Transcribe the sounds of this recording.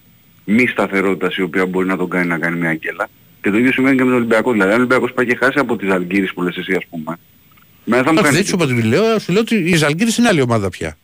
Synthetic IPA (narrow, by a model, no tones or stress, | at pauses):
mist̪ɐθe̞ɾo̞t̪it̪ɐsio̞piɐbo̞ɾinɐt̪o̞ɡɐninɐkɐnimɲɐɟelɐ | cet̪o̞iðjo̞simve̞nicemet̪olibiɐkoðilɐðiɐnoimbiɐko̞spɐjce̞xɐsiɐpo̞t̪izɐlɟiɾispulesesiɐspume̞ | menθɐmukɐðesopɐt̪imileosuleot̪iːzɐlɟiɾisineɐlio̞mɐðɐpçɐ̰